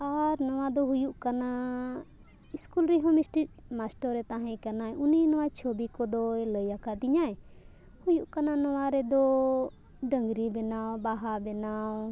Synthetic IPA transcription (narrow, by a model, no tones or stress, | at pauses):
aɾnɔwad̪ɔɦujuʔkana | iskulɾiɦɔ̃misʈi | masʈɔɾɛt̪aɦɛ̃kanaɛʔuninɔwat͡ʃʰobikɔd̪ɔləjakaʔd̪iɲaɛ | hujuʔkananɔwaɾɛd̪ɔ | ɖəŋɡɾibɛnawbaɦabɛnaw